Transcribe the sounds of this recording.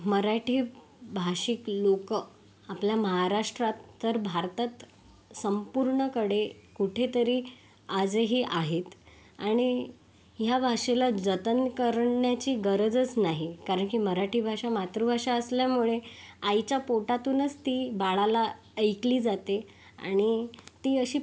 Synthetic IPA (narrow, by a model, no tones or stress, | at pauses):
məɾaʈʰiː | bʱaʂiklokə | apljaməɦaɾaʂʈɾat̪ːəɾbʱaɾt̪at̪ | səmpuɾɳəkəɽekuʈʰet̪əɾiː | ad͡zeɦiʔaɦet̪ | aɽ̃i | ɦjabʱaʂelad͡zət̪ənkəɾɳɳjat͡ɕiːɡəɾəd͡zət͡snaɦikaɾəɳkiməɾaʈʰiːbʱaʂamat̪ɾubʱaʂaəsljamuɭeajt͡ɕjapoʈat̪uːnət͡st̪iːbaɭala | əjkliːd͡zat̪e | a̰ɽ̃it̪iːəɕiː